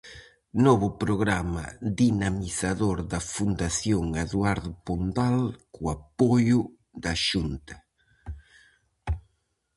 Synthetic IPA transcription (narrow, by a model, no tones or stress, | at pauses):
nɔβʊpɾoɣɾamɐ̰ðinamiθaðoɾðɐfund̪aθjoŋaðwaɾðʊpond̪alkʊapojʊ | ðɐʃunt̪ɐ